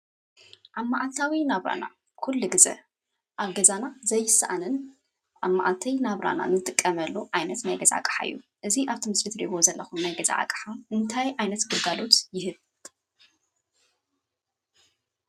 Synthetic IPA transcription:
ʔamːaʕalt̪ʰawinaβɾa̰na̰ | kʰulːuɡɨzɐ̰ | ʔaβɡɐzanazɐjːɪsa̰ʔanɨn | ʔamːaʕalt̪ʰɐjnaβɾa̰na̰nɨt̪ʼɨkʼːɐmɐlːuʕajnɐt̪najɡɐza̰akʼħa̰ɨ̰jːuʔɨziʔaβt̪ʰɨmɨslit̪ɾiɡo̞zɐlːɐxumnajɡɐza̰ʕa̰kʼħaʔɨnt̪ʰajʕajnɐt̪ɡɨlɡalo̞t̪jɪhɨβ

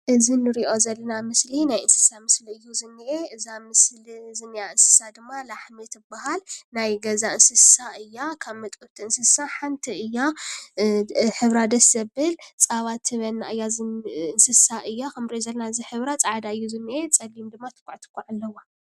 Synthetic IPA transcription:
ʔɨzinːɨɾiʔo̞zɐlːɐnamɨslinajɨnsɨ̥samɨsliɨjːuzɨnːɨʔeʔɨzamɨslizɨnːijaɨnsɨ̥sad̪ɨmːalaħmet̪ɨbaɦalnajɡɐzaɨnsɨssaɨjːakʰaβmɐt̪ʼut̪ʰiɨnsɨsaħant̪ʰiɨjːa | ħɨβɾad̪ɐsɐbɨlt͡sʼaβat̪ʰːɨβɐlːaɨjːazɨnsɨsaʔɨjːakʰɐmɾiʔozɐlːɐnaɨziħɨβɾat͡sʼaʕd̪aɨjːuzɨnːɨʔet͡sʼɐlːimd̪ɨmːat̪ʰɨ̥kʷʼaʕt̪ʰɨ̥kʷʼːaʕalːɐwa

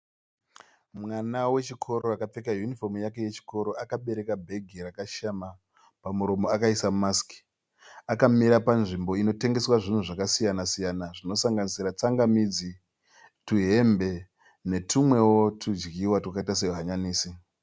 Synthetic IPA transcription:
mwanawe̞t͡ʃikʰo̞ɾoakap͡fekajunifo̞mjake̞je̞t͡ʃi̥ko̞ɾo̞ʔakaɓe̞ɾe̞kabʱe̞ɡʱirakaʃama | pamuɾo̞mo̞akaisamaski̥ | akamiɾapanʐimbo̞ino̞te̞ŋɡe̞swaʐin̤uʐakasijanasijanaʐino̞saŋɡanisiɾat͡saŋɡamid͡zi | tuɦe̞mbe̞ | ne̞tumwe̞wo̞tʰud͡ʒɡiwatwakaitas̬e̞uɦaɲaniːsi

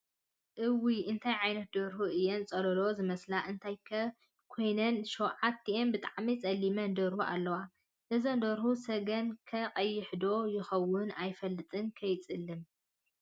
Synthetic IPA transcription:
ʔɨwiʔɨnt̪ʰajʕajnɐt̪̚d̪oɾhuɨjːent͡sʼɐlɐlo̞zɨmɐslaʔɨnt̪ʰajkʰ | kʰo̞jnɐnʃowʕat̪ʰːiʔenbɨt̪ʼaʕmit͡sʼɐlːimɐnd̪oɾhuʔa̰lːɐwa | nɨzond̪oɾhusɐɡɐnkʰɐqʼɐjːɪħd̪o̞jɪxɐwːʊnajfɐlːɨt̪ʼɨnkʰɐjt͡sʼɨlːɨm

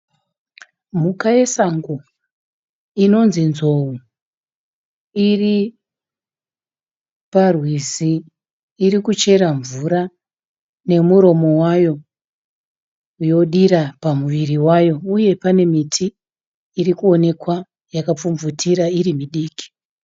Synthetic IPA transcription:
mukae̞saŋɡo | ino̞nzinzo̞u | iri | parwisiː | ɾikut͡ʃe̞ɾaɱvuɾa | ne̞muɾo̞mo̞wajo̞ | jo̞ɗiɾapamuʋiriwajo̞uje̞pane̞mitʰiː | rikuo̞ne̞kwa | jakap͡fumvutʰiɾaiɾimiɗiːki̥

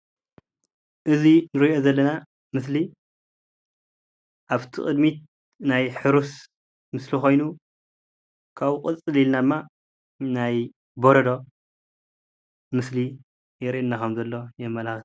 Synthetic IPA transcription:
ʔɨzinɨɾiʔo̞zɐlːɐna | mɨsli | ʔaβt̪ʰḭxʼɨd̪mit̪̚ | najħɨɾus | mɨslixo̞jnu | kʰaβkʼɨt͡sʼɨlilnad̪ɨmːa | naj | boɾɐd̪o̞ | mɨsli | jɛɾiʔɨnːakʰɐmzɐlːo̞jɛmːɐlaxt̪

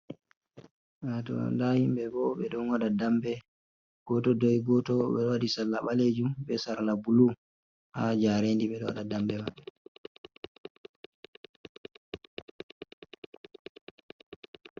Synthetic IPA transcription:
atɔ̰ndahimbɛbɔɓɛɗɔnwaɗadambɛ | ɡ̥ɔtɔdɔjɡɔtɔɓɛɔwadisalːaɓaled͡ʒumɓɛsaɾlabulu | ha̰d͡ʒaɾendiɓɛɗɔwa̰ɗadambɛmaɓːɛ

